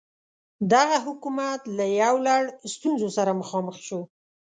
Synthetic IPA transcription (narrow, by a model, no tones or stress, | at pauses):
d̪aɣaɦʊkumat̪lajawlaɽst̪unzosaɾaməxɑməxʃo